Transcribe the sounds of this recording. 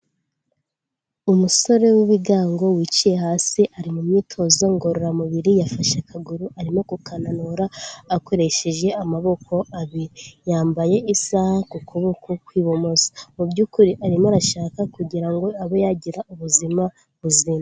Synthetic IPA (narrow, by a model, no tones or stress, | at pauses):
umuso̞ɾe̞wiβiɡaːŋɡo̞wit͡ʃije̞haːsiʔaɾimumɲiːtʰo̞zoŋɡo̞ɾoɾamuβiɾijafaʃakʰaɡuɾuʔaɾimo̞kukananoɾaːko̞ɾe̞ʃe̞ʒe̞amaβo̞kʰo̞aβiɾijaːmbaje̞ʔisahakukʰuβukukwiːβo̞mo̞zḁmubjuːkuɾiʔaɾimaɾaʃaːkakuɟiɾaŋɡo̞aβojaɟiɾauβuzima | βuzima